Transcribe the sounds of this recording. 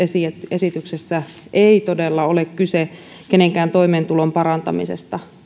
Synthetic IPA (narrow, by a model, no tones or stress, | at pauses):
esiet̪esit̪yksesːæʔeit̪odelːɑolekkyse | keneŋkæːnt̪o̞imeːnt̪ulompɑɾɑnt̪ɑmisest̪ɑ